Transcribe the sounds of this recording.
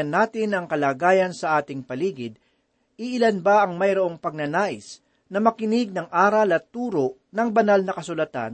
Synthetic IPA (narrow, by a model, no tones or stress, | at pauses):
ɐnːaːt̪ɪnɐŋkɐlaːɡaːjɐnsɐʔaːt̪ɪŋpɐliːɡɪd̪̚ | ɪʔɪlanbaʔɐŋmɐjɾoʔo̞ŋpɐɡ̚nɐnaːʔɪs | nɐmɐkɪnɪɡ̚nɐŋʔaːɾɐlɐt̪ːuːɾoʔ | nɐŋbɐnalnɐkɐsʊlɐt̪a̰n